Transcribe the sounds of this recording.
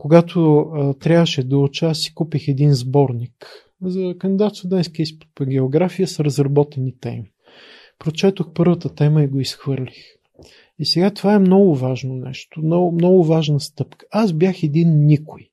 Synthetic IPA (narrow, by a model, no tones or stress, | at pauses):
koɡat̪ʰot̪ɾʲavəʃɛd̪əlt͡ʃɛasi̥kupixɛd̪inzbɔɾnik | zəkənd̪ʲid̪at̪sod̪ɛnskʲɛisp̪ɡʲɛoɡɾafijəsɾəzɾɐbɔt̪ɛnit̪ɛ̰mi | pɾot͡ʃɛt̪oxpɤɾvət̪ət̪ɛməiɡoisxvɤɾlʲix | isɛɡat̪ovaɛmnɔɡʊvaʒnonɛ̰ʃt̪ʊmnɔmnɔɡʊvaʒnəst̪ɤpkə̥azbjaxɛd̪inːikʊj